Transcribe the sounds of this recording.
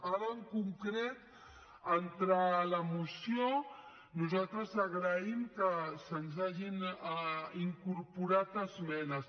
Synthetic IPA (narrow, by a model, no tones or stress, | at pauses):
aɾəəŋkuŋkɾet̪ | ənt̪ɾaləmusio | nuzalˠt̪ɾəzəɣɾəimkəsənzaʒin | iŋkuɾpuɾat̪əzmɛnəs